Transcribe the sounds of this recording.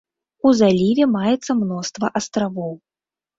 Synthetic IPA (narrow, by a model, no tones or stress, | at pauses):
uzalʲivʲɛmajɛt̪sːɐmnɔst̪vɐʔɐst̪ɾavɔw